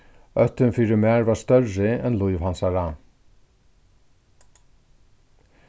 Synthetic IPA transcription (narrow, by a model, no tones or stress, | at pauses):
œt̪ːʏnfiːɾɪmæːɹvaɹst̪œɹɪɛnlʊjvhansaɹa